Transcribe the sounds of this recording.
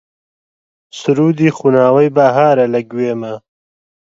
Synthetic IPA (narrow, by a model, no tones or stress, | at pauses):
sʊɾuːd̪iːxunaːwɐjbaːɦaːɾɐlɐɡweːmɐ